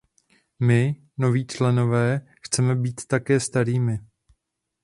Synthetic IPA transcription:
mɪ | no̞viːt͡ʃlɛno̞vɛː | xt͡sɛmɛbiːt̪ːakɛːst̪aɾiːmɪ

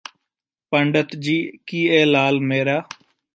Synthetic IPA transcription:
pəɳɖət̪d͡ʒiːkiːeːlaːlmeːɾaː

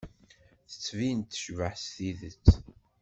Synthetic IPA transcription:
θə̥t͡sːvint̪ːʃvəħsθiðət͡sː

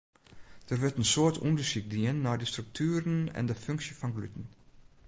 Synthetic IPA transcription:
d̥əːʋɪtnsotʊ̰ndəʃɪk̚diːənːaːdistruk̚tʰyːɾənɛ̰ndefʏŋksjəfɔnɡlytn̩

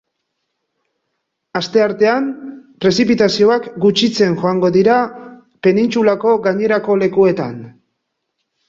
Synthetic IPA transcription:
ast̪e̞aɾt̪e̞ampɾe̞sipit̪asio̞akɡut͡ʃit͡se̞nʝo̞aŋɡo̞ðiɾa | pe̞nint͡sulako̞ɣaɲe̞ɾako̞le̞kue̞t̪a̰n

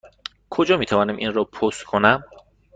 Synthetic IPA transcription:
kʰod͡ʒɒːmiːt̪ʰævɒːnæmʔinrɔːpʰost̪kʰonæm

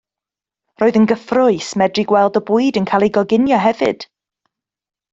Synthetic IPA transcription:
roːɨðənɡəθrʊɨsmɛdriɡwɛlˠdɔbuɨdənkʰaːlˠiɡɔɡɪnjɔɦɛvɨ̰d̥

